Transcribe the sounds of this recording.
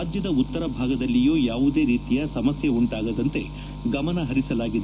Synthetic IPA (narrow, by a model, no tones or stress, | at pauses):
aːd͡ʒjɐd̪ɐut̪ːɐɾɐbʱaːɡɐd̪ɐlːijuːjaːʋud̪e̞ːɾiːt̪ijɐsɐmɐsjɐuɳʈaːɡɐd̪ɐnt̪e̞ | ɡɐmɐnɐɦɐɾisɐlaːɡid̪e